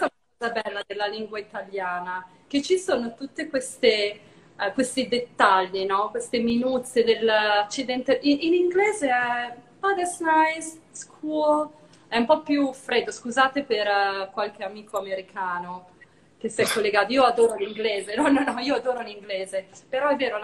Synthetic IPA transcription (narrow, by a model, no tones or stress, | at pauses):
ɛsaunakɔzabɛlːad̪elːaliŋɡwait̪aljaːna | k̟et͡ʃːisoːnot̪ut̪ːekwest̪e | kwest̪id̪et̪ːaʎːinɔkwest̪eminut̪sed̪elat͡ʃːid̪ɛnt̪eʔiiniŋɡleːzeɛpad̪esnajzskʰuːo | ɛumpɔpjufɾed̪ːoskuzaːt̪eperkwalk̟eamiːkʰoameɾikʰaːno | kesiɛkːolːeɡaːt̪oiːoad̪oːɾoliŋɡleːzenɔnɔnɔiːoad̪oːɾoliŋɡleːzepeɾɔɛvːeːɾol